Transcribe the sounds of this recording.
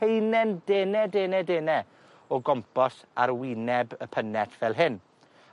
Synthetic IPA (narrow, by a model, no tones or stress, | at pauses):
ejnɛndeːnɛdeːnɛdeːnɛ | ɔɡɔmpɔsa̰ɾwɪnɛbəpʰənɛtʰvɛlˠɦɪn